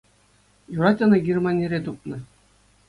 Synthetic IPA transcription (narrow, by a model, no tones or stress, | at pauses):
juɾɑtʲɤ̆nɤ̆ɡʲirmɑnʲeɾʲet̪up̚nɤ̆